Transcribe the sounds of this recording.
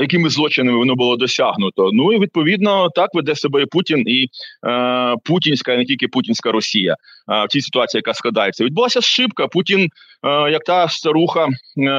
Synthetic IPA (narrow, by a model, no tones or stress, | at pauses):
jɐkɪmɪzlˠɔt͡ʃɪnɪmɪʋɔnɔbʊlˠɔd̪ɔsʲaɦnʊt̪ɔnuiʋʲid̪̚pɔʋʲid̪nɔt̪ɑkʋɪd̪ɛsɔbɛiputʲini | putʲinʲsʲkɐinɛtʲilʲkɪputʲinʲsʲkɐɾɔsʲijɐ̰ | wtʲisɪ̥t̪ʊɑt͡sʲijɐkasklˠɐd̪ɑjet͡sʲːɐʋʲid̪bʊlˠasʲɐʃʃɪpkɐputʲin | jɐk̚t̪ɑst̪ɐɾuxɐ